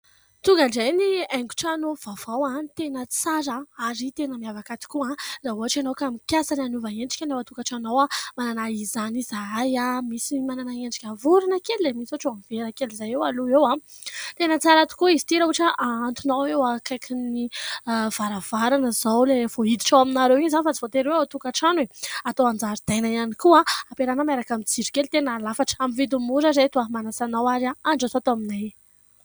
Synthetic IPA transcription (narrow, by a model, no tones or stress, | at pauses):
t̪uŋɡaɳɖ͡ʐajniɛŋɡu̥ʈ͡ʂanovavawat̪enət͡saɾəaɾit̪enəmiavakat̪i̥kuãzaɦuɦaʈ͡ʂanowkamikʲjasananuvaeɳɖ͡ʐi̥kʲanawat̪uŋɡaʈ͡ʂanowamananaizanizaajamisimananaeɳɖ͡ʐi̥kʲavuɾinəkellemisoʈ͡ʂoamiveɾəkelizajewaluewãt̪enət͡saɾat̪u̥kuizit̪iɾauʈ͡ʂəʔaant̪unawewakajkʰiniv̥aɾavaɾanəzawlevoid̪i̥ʈ͡ʂawaminaɾewiɲzanifat͡si̥vot̪eɾweat̪ukaʈ͡ʂanweat̪oand͡zaɾid̪ajnaanikuaapeɾanəmeɾakamit͡siɖ͡ʐi̥kelit̪enalafaʈ͡ʂə̥amivid̪umuɾazet̪uamanasanawaɾaaɳɖ͡ʐasoat̪oaminaj